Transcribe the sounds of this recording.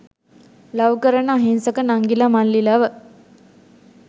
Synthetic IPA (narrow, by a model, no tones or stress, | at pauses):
lɐwkəɾənəːɦinsɐkənaŋɡilamanlilaːʋə